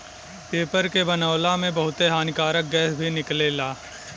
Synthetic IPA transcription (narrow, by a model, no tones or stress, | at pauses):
peːpəɾkebɐnaːʋlamẽbɐɦʊt̪eɦaːnkaːɾək̚ɡɛːsbʱinɪkleːlaː